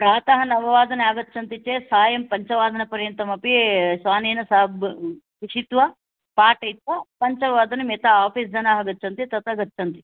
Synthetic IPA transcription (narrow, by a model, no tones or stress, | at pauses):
pɾaːt̪ɐɦɐnɐʋɐʋaːd̪ɐnaːɡɐt̪ːt͡ʃʰɐnt̪it͡ʃeːsaːjɐmpɐɲt͡ʃɐʋaːd̪ɐnɐpɐɾjɐnt̪ɐmɐpisʋaːneːnɐsaːbkiʃit̪ʋɐ | paːʈɐjt̪ʋɐpɐɲt͡ʃɐʋaːd̪ɐnɐmet̪aaːpʰiːsd͡ʒɐnaːɦɐɡɐtːt͡ʃʰɐnt̪it̪ɐt̪ɐɡɐt̪ːt͡ʃʰɐnt̪i